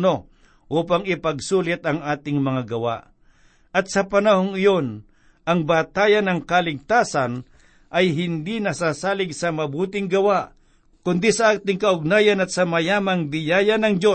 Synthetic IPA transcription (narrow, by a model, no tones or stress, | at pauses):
no̞ | ʔuːpɐŋɪpɐɡsuːlɪt̪ɐŋaːt̪ɪŋmɐŋaɡɐwa̰ʔ | ʔɐt̪̚sɐpɐnɐɦoŋɪjo̞n | ʔɐŋbaːt̪aːjɐnɐŋkɐlɪɡ̚t̪aːsɐn | ʔɐjɦɪnd̪inɐsaːsaːlɪɡsɐmɐbuːt̪ɪŋɡɐwaʔ | kʊnd̪isɐʔaːt̪ɪŋkɐʔʊɡ̚naːjɐnɐt̪̚sɐmɐjaːmɐŋbɪjaːjɐnɐŋd͡ʒo̞